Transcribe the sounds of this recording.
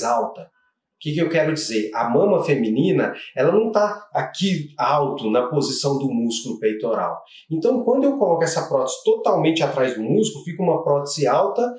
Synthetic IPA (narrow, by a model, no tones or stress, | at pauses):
awt̪ɐ | ʊkɪkɪewkɛɾʊd͡ʒizeɾɐmɐ̃mɐfemĩnĩnɐɛlɐnɐ̃w̃t̪aakiawt̪ʊnɐpozisɐ̃w̃d̪ʊmuskulʊpejt̪oɾa̰w | ẽnt̪ɐ̃w̃kwɐ̃nd̪ʊewkolɔkʊɛsɐpɾɔt̪e̥z̥ɪ̥t̪ot̪awmẽnt͡ʃɪat̪ɾajzd̪ʊmuzklʊfikɐũmɐpɾɔt̪ezɪawt̪ɐ